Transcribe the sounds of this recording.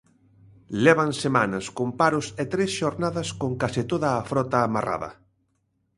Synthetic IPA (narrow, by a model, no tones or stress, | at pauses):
lɛβ̞ansemanɐskompaɾʊset̪ɾesʃoɾnaðɐskoŋkasit̪oðɐːfɾɔt̪aːmara̰ðɐ̰